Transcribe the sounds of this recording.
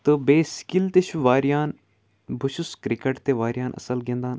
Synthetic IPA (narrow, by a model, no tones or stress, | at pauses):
t̪ɨbeːskilt̪eʃuʋaːɾjaːn | bʱuʃuskɾikeʈt̪eʋaːɾjaːnʔɐ̰sɐlɡẽnd̪aːn